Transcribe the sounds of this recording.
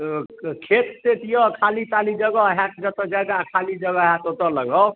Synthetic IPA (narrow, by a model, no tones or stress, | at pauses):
kʰet̪t̪et̪ijɔkʰalit̪alid͡ʒəɡəɦat̪d͡ʒət̪əd͡ʒajd̪akʰalid͡ʒəɡəɦjãt̪ot̪ələɡə